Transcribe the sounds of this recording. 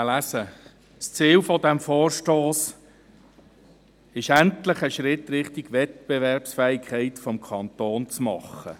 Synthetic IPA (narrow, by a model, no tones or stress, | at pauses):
læsə | st͡siːlfɔdæmfɔːɾʃtoːs | ɪʃæntləχəʃɾɪt̪ːɾɪχtɪɡ̥ʋɛt̪̚b̥ɛvɛɾpsfɛːikχɛɪtfɔmkʰɑnt̪oːnt͡smɑχːə̰